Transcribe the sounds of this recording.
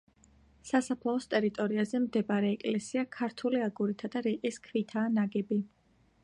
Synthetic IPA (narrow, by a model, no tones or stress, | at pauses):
sasapʰlaɔst̪ʼɛɾit̪ʼɔɾiazɛmd̪ɛbaɾɛːkʼlɛsiakʰaɾt̪ʰuliaɡuɾit̪ʰad̪aɾiqʼiskʰvit̪ʰaːnaɡɛbi